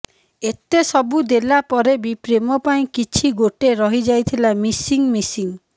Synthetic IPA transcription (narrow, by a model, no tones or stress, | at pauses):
et̪esɔbud̪elapɔɾebipɾemɔpaĩkit͡ʃʰiɡoʈeɾɔɦid͡ʒajt̪ʰilamisiŋmisiŋ